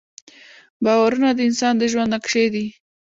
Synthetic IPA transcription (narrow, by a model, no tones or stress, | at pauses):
bɑwaɾunad̪əɪnsɑnd̪əʒwannakʂed̪i